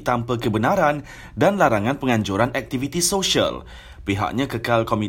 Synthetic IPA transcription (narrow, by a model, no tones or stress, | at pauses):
t̪ampəkəbənaɾan | danlaɾaŋãnpəŋãɲd͡ʒuɾanʔɛk̚t̪ifit̪isoʃa̰l | piɦa̰ʔ̚ɲãkəkalkomĩ